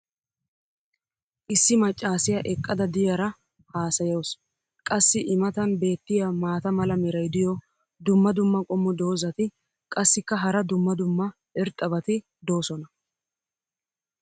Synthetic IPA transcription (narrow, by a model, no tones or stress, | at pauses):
ʔɪsːɪmɐt͡ʃʼːaːsɪjɐʔɛkʼːɐd̪ɐd̪ɪjɐɾɐ | haːsɐjɐws | kʼɐsːɪʔɪmɐt̪ɐnbe̞ːt̪ːɪjamaːt̪ɐmɐlɐmɪɾɐjd̪ɪjɔ | d̪ʊmːɐd̪ʊmːɐkʼɔmːɔd̪o̞ːzɐt̪ɪ | kʼɐsːɪkːɐɦɐɾɐd̪ʊmːɐd̪ʊmːɐ | ɛɾt̪ʼːɐbɐt̪ɪ | d̪o̞ːsɔnɐ